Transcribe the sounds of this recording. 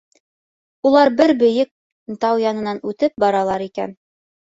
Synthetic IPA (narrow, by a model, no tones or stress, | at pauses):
ulˠɑɾbɘɾbɵ̆jɘk̚ | nt̪ɑwjɑnɤ̆nɑnʉt̪ɘp̚bɑɾɑlˠɑɾikæ̰n